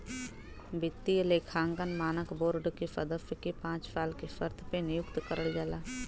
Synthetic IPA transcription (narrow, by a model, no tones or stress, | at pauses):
bɪt̪ːiəlekʰãːŋɡənmaːnəkboːɾɖkefɐd̪əfkepãːt͡ʃfaːlkefəɾt̪ʰpenɪjʊkt̪kəɾəɭd͡ʒaːlaː